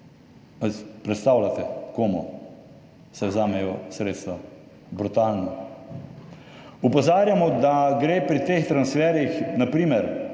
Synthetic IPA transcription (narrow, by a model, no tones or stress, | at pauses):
aspɾɛt̪st̪awlat̪ɛkoːmɔ | sɛwzaːmɛjɔsɾeːt̪st̪ʋa | bɾut̪aːlnɔ | upɔzaːɾjamɔd̪aɡɾeːpɾit̪eːxt̪ɾansfɛːɾjixnapɾiːmɛɾ